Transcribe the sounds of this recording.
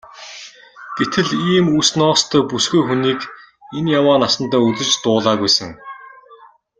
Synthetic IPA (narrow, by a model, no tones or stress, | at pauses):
ɡ̥et̪ʰɘ̆ɮiːmusnɔːqst̪ʰœːpusɡujxuniːk | enjawaːnasə̆nt̪æːɵt͡sɘ̆t͡ɕt̪ʊːɮaːɣujsə̆ŋ